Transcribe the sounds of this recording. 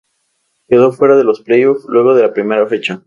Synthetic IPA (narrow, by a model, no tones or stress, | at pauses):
ke̞ðo̞fwe̞ɾaðe̞lo̞splejoflwe̞ɣ̞o̞ðe̞lapɾime̞ɾafe̞t͡ʃa